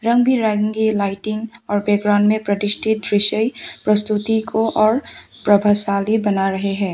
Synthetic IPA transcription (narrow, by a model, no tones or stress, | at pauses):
ɾə̃ŋɡbʱiɾaɪɪ̃ŋɡilaːɪʈɪŋɡɔːɾbeɡɾaʊnmẽpɾɐt̪ɪsʈʰɪt̪ɾɪʃəjpɾəst̪ut̪ikʰoʔɔːɾ | pɾɐbʱasaːlibɐnaɾɐɦeɦɛ̃ː